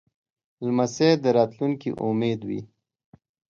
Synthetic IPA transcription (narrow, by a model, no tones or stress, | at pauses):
lmased̪əɾɑt̪luŋkḭʔumed̪wḭ